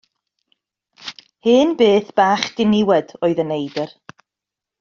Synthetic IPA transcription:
hɨːnbeːθb̥aːχd̥ɪnɪwɛdoːɨðənejdər

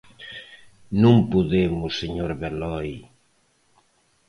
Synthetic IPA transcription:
nũŋpuðemʊseɲoɾβelɔj

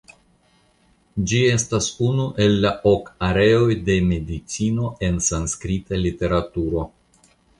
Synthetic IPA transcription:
d͡ʒie̞stasunuʔe̞lːaʔokaɾe̞o̞jde̞me̞dit͡sino̞ʔe̞nsanskɾitalite̞ɾatuɾo̞

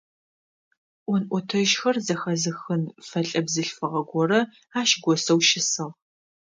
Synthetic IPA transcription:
ʔʷɔnʔʷɔtʰɐʒxɐrzɐxɐzɨxɨnfɐɬʼɐbzɨɬfɨʁɐɡʷɔrɐ | aːʃɡʷɔsɐwʃɪsɐʁ

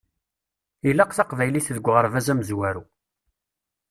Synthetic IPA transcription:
ilːaqθɑqvæjliθðəɡʷːʁəɾˤvæzæməzwæɾu

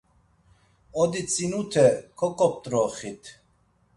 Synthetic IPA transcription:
ɔd̪it͡sʼinut̪ʰɛkʰɔkʼɔp̚t̪ʼɾɔχit̪ʰ

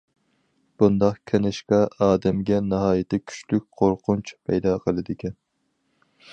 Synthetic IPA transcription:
b̥und̪ɑqkʲʰenɪʃqɑɑːd̪ɛmɡʲɛnɑɦɑːjɪt̪ʰɛkʲʰy̥ʃlyk̚ʲqʰoɾqʊnt͡ʃpʰɛ̰jd̪ɑːqʰəlˠɨd̪ɪkʲɛn

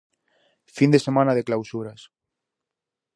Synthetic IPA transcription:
find̪esemãnað̞eklawsuɾas

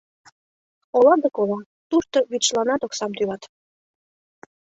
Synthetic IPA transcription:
olɑd̪əkolɑ | t̪uʃt̪oβit͡ɕlɑnɑt̪oksɑmt̪ylɑt̪

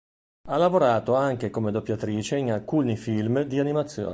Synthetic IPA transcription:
alavoɾaːt̪oaŋkekomed̪opːjat̪ɾiːt͡ʃeinalkuːnifilmd̪ianimat̪sːjo̰ː

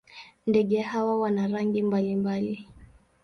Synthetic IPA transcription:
ndɛɠɛhawawanaɾaŋɡimbalimbali

